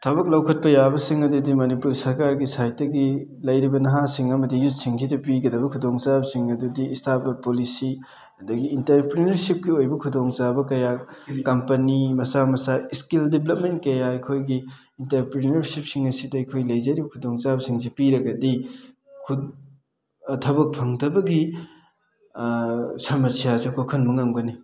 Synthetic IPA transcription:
tʰɐbɐk̚lɐwkʰɐt̚pɐjabɐsiŋɐdudimɐnipuɾsɐɾkaɾɡisajtːɐɡi | lɐjɾibɐnɐɦasiŋɐmɐdijut̚siŋsidɐpiɡɐdɐbɐkʰudoŋt͡ʃabɐsiŋɐdudiːstʰabɐpolisi | ɐdɐɡiːntɐɾpɾinɐɾsip̚ɡiojbɐkʰudoŋt͡ʃabɐkɐjakɐmpɐnimɐsamɐsaiskildiblɐp̚mentkɐjaɐjkʰojɡiː | ntɐɾpɾinɐɾsip̚siŋɐsidɐɐjkʰojlɐjzɐɾibɐkʰudoŋt͡ʃabɐsiŋzipiɾɐɡɐdi | kʰu | ɐtʰɐbɐk̚pʰɐŋdɐbɐɡi | sɐmɐsijasiɐkʰokʰɐnmɐŋaŋɡɐni

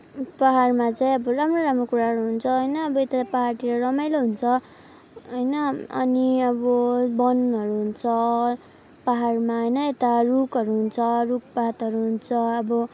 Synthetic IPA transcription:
paɦarmat͡saĩʌbʌramroɾamrokuɾaɦʌɾuɦunt͡sʰʌɦʌjnʌːbʌet̪apaɦarʈ̪iɾʌrʌmajloɦunt͡sʰʌ | ɦʌjnʌʌniʌbʌbʌnʌɾuɦunt͡sʰʌ | paɦarmaɦʌjnʌet̪arukʌɾuɦunt͡sʰʌrukpaɦt̪ʌɾuɦunt͡sʰʌʌbʌ

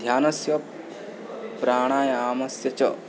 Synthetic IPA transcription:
d̪ʱjaːnɐsjɐ | pɾaːɳ̃aːjɐaːmɐsjɐt͡ʃɐ

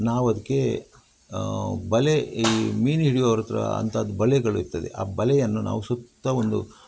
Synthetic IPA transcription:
naːʋɐd̪ɐkːe̞ | bɐleimiːniɽijoːʋɾɐt̪ɐɾɐ̰ɐ̰nt̪ʰɐɐd̪ubɐlɛɡɐɭuiɾt̪ːɐd̪ḛʔa̰ːbɐlɛjɐnːuna̰ːʋusut̪ːɐond̪u

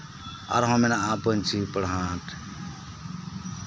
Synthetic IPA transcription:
a̰ɾɦɔ̃menaapənt͡ʃʰipəɽɦãʈ

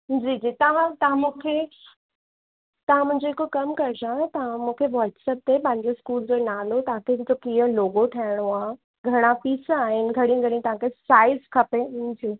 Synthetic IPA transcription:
d͡ʑiːd͡ʑiːt̪ɐʋãt̪ɐʋ̤ãmũːkʰe | t̪ɐʋ̤ãmʊ̃ɦɪ̃ɲd͡ʑoɦɪkokɐmkɐɾɪd͡ʑãt̪ɐʋ̤ãmũːkʰeʋɔːɾʈsəp̚t̪epãɦɪ̃ɲd͡ʑeskuːld͡ʑonaːnot̪ɐɦãkʰẽd͡ʑokiːəloːɡoʈʰaːɪɽ̃oaː | ɡʱɐɽ̃ãpiːsãaːɦɪnɪ̆ɡʱɐɽĩɡʱəɽĩt̪ɐʋ̤ãkʰesaːɪzkʰɐped͡ʑiː

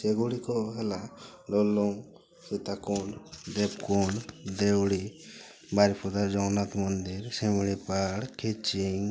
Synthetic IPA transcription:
sɛɡuɽikɔɦɛlaɖɔlɔŋ | sut̪akɔɳd̪ɛbkɔɳd̪ɛwɽi | baɾipʰɔd̪aɾd͡ʒɔwnat̪mɔnd̪iɾsɛmiɽipaɽkʰit͡ʃiŋ

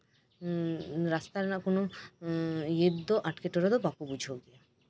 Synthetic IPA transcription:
ɾast̪aɾnakono | jed̪ːoʔaʈkeʈoɾod̪obakobud͡ʑʱoɡi

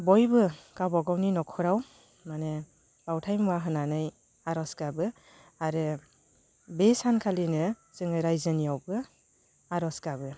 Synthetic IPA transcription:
bɔjbɯkawbaɡawninɔkʰɔɾaw | mane | bawtʰajmwaɦɯnanɯj | aɾɔsɡabɯ | aɾɯ | besankʰalinɯ | z̥ɯŋɯɾajzɯnijawbɯ | aɾɔsɡabɯ

